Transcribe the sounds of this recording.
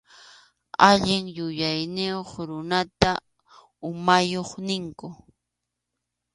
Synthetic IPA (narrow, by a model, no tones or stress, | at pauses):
aʎɪŋjʊjajnɪoχɾʊnat̪a | ʊmajoχnɪŋkʊ